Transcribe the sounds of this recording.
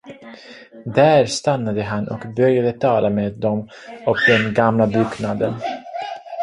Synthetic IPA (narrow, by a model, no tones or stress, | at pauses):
d̪æːɾst̪anːad̪əɦanʔɔkbœɾjad̪ət̪ʰɑːlameːd̪ːɔm | ɔkd̪ɛnɡamlabʉknad̪ən